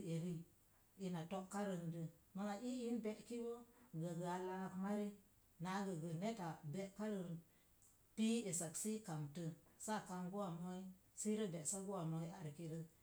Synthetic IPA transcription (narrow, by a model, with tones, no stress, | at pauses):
e˨ɾi˦ | i˨na˨to˦ʔka˦ɾə˨ndə˨ma˦ŋa˨ʔi˦ji˦nbe˦ʔki˦wo˦ɡə˨ɡə˨a˨la˦˨kma˦ɾi˦ | na˨˦ɡə˨ɡə˨ne˦ta˨be˦ʔka˦ɾə˨n˨ | pi˦e˨sa˨ksi˦ka˨mtə˨sa˦˨ka˨nɡu˦wa˨mo˦i˦si˦ɾə˦be˨ʔsa˦ɡu˦wa˨mo˨˦i˦a˨ɾki˦ɾə˦